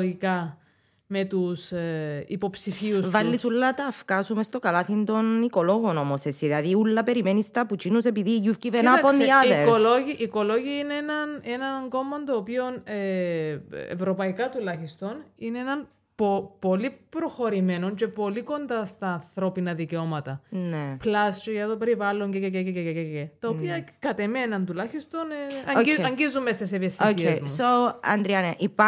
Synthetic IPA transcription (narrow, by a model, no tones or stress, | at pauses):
ikɐ | me̞t̪usḭpo̞psifiusvɐlːisulːɐt̪ɐfkɐsume̞st̪o̞kɐlɐθind̪o̞niko̞lo̞ɣono̞mo̞sesiðɐðiulːɐpe̞ɾimenist̪ɐput͡ʃinuse̞piðiʝufcivenapondiɐðeɾoloiʔiko̞lo̞ʝiɐineenɐnenɐŋɡo̞mond̪oːpio̞ne | ḛvɾo̞pɐikɐt̪ulɐçist̪o̞nineenɐn | popo̞lipɾo̞xo̞ɾime̞no̞ɲce̞po̞liko̞nd̪ɐst̪ɐːnθɾo̞pinɐðiceo̞mɐt̪ɐneplɐst͡ʃoʝɐt̪ope̞ɾivɐlːo̞ɲcecececececececet̪ɐopiɐkɐt̪e̞me̞nɐnt̪ulɐçist̪o̞nɐiɐɲɟizːumːest̪es̬evjesioiezmusoɐ̰nd̪ɾiɐnɐʔip